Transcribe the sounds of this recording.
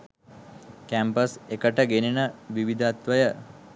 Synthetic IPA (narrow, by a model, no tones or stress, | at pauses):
kæmpəsekəʈəɡeninəʋiʋid̪ʱat̪ʋəjə